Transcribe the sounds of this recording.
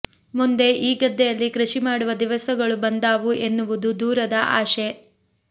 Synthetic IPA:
mund̪e̞ʔiːɡɐd̪ːɛjɐlːikɾɐʃimaːɽuʋɐd̪iʋɐsɐɡɐɭubɐnd̪aːʋuʔe̞nːuʋud̪ud̪uːɾɐd̪ɐʔa̰ːʃe

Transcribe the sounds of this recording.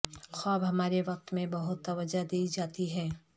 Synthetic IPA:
xaːbɦɐmaːɾeʋɐq̚t̪mẽbɐɦʊt̪ːɐʋəd͡ʒad̪eːid͡ʒaːt̪iɦɛː

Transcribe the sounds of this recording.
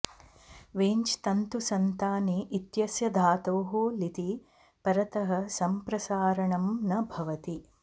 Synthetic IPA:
ʋeːɲt͡ʃt̪ɐnt̪usɐnt̪aːniʔːt̪jɐsjɐd̪ʱaːt̪oːɦoːlit̪i | pɐɾɐt̪ɐɦɐ̆sɐmpɾɐsaːɾɐɳɐmnɐbʱɐʋɐt̪i

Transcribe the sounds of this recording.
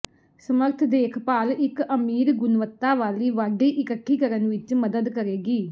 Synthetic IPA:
səməɾt̪ʰd̪eːkʰpaːlɪkəmiːɾɡʊnʋət̪ːaːʋaːliːʋaːɖiːʔɪkəkʰːiːkəɾənʋɪt͡ʃməd̪əd̪kəɾeːɡiː

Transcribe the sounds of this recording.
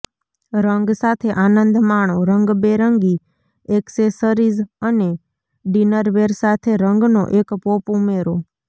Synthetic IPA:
ɾəŋɡsat̪ʰeʔanənd̪maɳ̃oɾəŋɡbeɾəŋɡi | eksesəɾizəne | ɖinəɾʋeɾsat̪ʰeɾəŋɡno̰ʔekpopumeɾo

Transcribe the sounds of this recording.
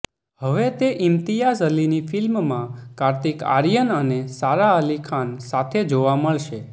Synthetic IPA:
ɦəʋet̪eʔɪmt̪ijasəlinifɪlmmãkaɾt̪ika̰ɾijənənesaɾaəlikʰansat̪ʰed͡ʒoʋaməɭʃe

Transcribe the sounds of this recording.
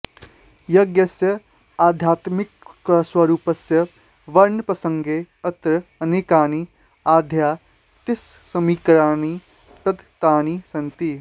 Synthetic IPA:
jɐɡjɐsjɐ | aːd̪ʱjaːt̪mɪkswɐɾuːpɐsjɐ | ʋɐɾɳpɾɐsɐ̃ŋɡe | ɐt̪ɾɐɐneːkaːni | aːd̪ʱjaː | t̪ɪsːɐmiːkɾaːni | pɾɐt̪t̪aːnisɐnt̪i

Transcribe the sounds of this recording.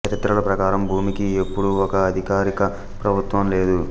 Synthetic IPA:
ɐɾit̪ɾɐlɐpɾɐkaːɾɐmbʱuːmikiepːuɽuɔkɐːd̪ʱikaːɾikɐ | pɾɐbʱut̪ʋɐmle̞ːd̪u

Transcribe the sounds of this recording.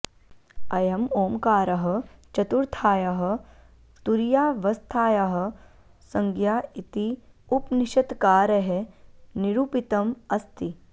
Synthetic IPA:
ɐjɐmoːmkaːɾɐɦɐ̆t͡ʃɐt̪uɾt̪ʰaːjɐɦɐ̆ | t̪uɾjaːʋɐst̪ʰaːjɐɦɐ̆ | sɐŋɡjaːit̪iupniʃɐt̪kaːɾɐɦeniɾuːpit̪ɐmɐst̪i

